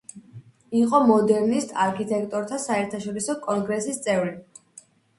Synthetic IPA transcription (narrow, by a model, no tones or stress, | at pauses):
iqʼɔmɔd̪ɛɾnist̪ʰaɾkʰit̪ʼɛkʰt̪ʼɔɾt̪ʰasaɛɾt̪ʰaʃɔɾisɔkʼɔnɡɾɛsist̪sʼɛvɾi